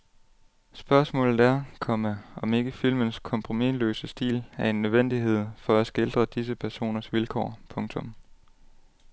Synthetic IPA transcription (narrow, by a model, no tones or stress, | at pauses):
sb̥ɶɐsmɔ̰ːlð̩ˠæɐkʰɒ̽məɒ̽me̝ɡ̥əfil̰mənskʰɒ̽mpʰʁo̝milø̰ːsəsd̥ḭːlæɐe̝nːøðˠʋen̰d̥iɦe̝ð̞̰ˠfɒ̽æsɡ̥e̝ld̥ʁɐd̥is̬əpʰæɐso̝̰ːnɐsʋilkʰɒ̰ːpʰɔ̽ŋt͡sʰɔ̽m